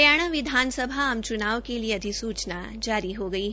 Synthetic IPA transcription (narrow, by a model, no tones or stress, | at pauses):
jaːɽ̃əʋɪd̪ʱaːnsəbʱaɐ̃mt͡ʃʊnaːʋkelieɐd̪ʱisuːt͡ʃna | d͡ʒaːɾiɦoɡɐiɦ